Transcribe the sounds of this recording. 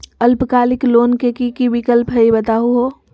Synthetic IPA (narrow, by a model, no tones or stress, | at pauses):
əlpkaːlɪkloːnkekikibikəlpɦəibət̪aɦuɦo